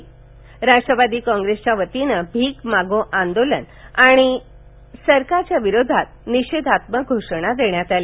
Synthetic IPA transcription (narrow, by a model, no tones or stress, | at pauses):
ɾaʈɾəʋad̪iːkɔ̃ŋɡɾest͡ɕjaʋət̪inəbʱiːkmaɡõʔãnd̪olən | aɽ̃i | səɾkaɾt͡ɕjaʋiɾod̪ʱat̪̚niɕed̪ʱat̪məɡʱoʂɽ̃ad̪eɳjat̪ali